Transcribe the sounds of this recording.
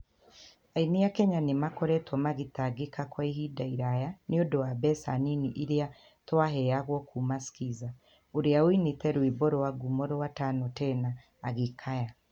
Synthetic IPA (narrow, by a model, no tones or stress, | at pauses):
ainijakɛɲanemakɔɾɛtwɔmaɣitaɡekakwaihidaiɾajaniodowabɛsa̰niniʔiɾea | twaɦɛjaɣwɔkʰumasi̥kiza | oɾeawinitɛɾwiboɾowaɡumoɾowatanotɛnaː | ɣikʰaja